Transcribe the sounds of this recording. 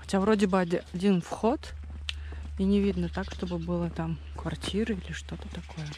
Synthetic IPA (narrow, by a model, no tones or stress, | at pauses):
xɐtʲavɾo̞dʲɪbɨɐɐdʲinfxo̞t̪ | inʲɪvʲid̪nət̪akʂt̪o̞bɨbɨlˠət̪am | kvɐrtʲʰiɾɨilʲɪʂt̪o̞t̪ət̪ɐko̞jə